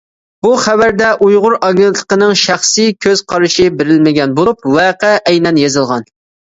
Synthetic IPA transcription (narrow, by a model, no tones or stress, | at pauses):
b̥uχævæɾd̪ɛʔujʁʊɾɑɡʲent̪ʰlˠə̥qənɨŋʃæχsɨjkʲʰøz̥qʰɑɾɨʃɪbɪɾɪlmɪɡʲɛnbolup̚wɛqæʔɛjnɛnjezɨlˠʁɑn